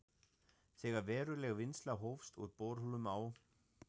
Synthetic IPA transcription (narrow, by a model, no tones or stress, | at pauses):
θɛːɣaɾvɛːɾʏlɛɣvɪnslaɦowfst̪ṵɾt̪poːɾhulʏmaːw